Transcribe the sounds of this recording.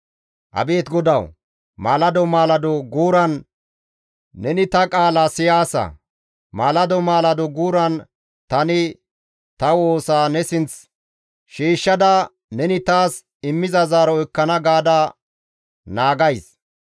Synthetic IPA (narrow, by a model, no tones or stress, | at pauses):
ʔɐ̰be̞ːt̪ɡɔd̪ɐw | maːlɐd̪ɔmaːlɐd̪ɔɡuːɾɐn | nɛnɪt̪ɐkʼaːlasɪjaːsɐ̰ | maːlɐd̪ɔmaːlɐd̪ɔɡuːɾɐn | t̪ɐnɪ | t̪ɐwo̞ːsaːnɛsɪnt͡s | ʃiːʃːɐd̪ɐ | nɛnɪt̪aːs | ɪmːɪzɐzaːɾɔɪkːɐnɐɡaːd̪ɐ | naːɡɐjs